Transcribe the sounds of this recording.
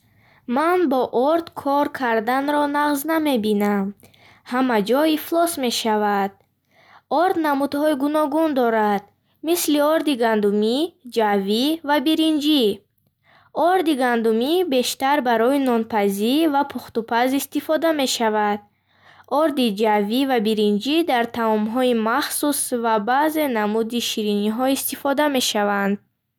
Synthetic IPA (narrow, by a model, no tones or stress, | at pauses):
manbɔʔɔɾd̪kʰɔɾkʰaɾd̪anɾɔnaʁzname̞binam | hamad͡ʒɔiflɔsme̞ʃavad̪̥̚ | ɔɾd̪namud̪hɔiɡunɔɡund̪ɔɾad̪̥ | misliɔɾd̪iɡand̪umid͡ʒavivabiɾind͡ʒi | ɔɾd̪iɡand̪umibe̞ʃt̪aɾbaɾɔinɔnpʰazivapʰuχt̪upʰazist̪ifɔd̪ame̞ʃavad̪̥̚ | ɔɾd̪id͡ʒavivabiɾind͡ʒid̪aɾt̪ʰamɔmɦɔimaχsusvabaze̞namud̪iʃiɾiniɦɔist̪ifɔd̪ame̞ʃavand̪̚